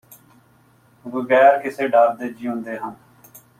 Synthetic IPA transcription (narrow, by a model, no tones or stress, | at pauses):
ʋəɡɛːɾkɪseːɖaːɾd̪eːd͡ʒiːɦʊ̃nd̪eːɦən